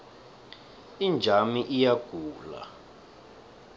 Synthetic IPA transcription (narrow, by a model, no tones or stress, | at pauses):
ind͡ʒʱamiʔijaɡ̥ʱuːla̰